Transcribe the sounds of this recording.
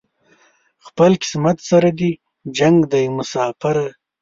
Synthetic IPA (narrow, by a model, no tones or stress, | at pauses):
xpəlkɪ̥smat̪saɾad̪i | d͡ʒaŋɡd̪ajmʊsɑfaɾa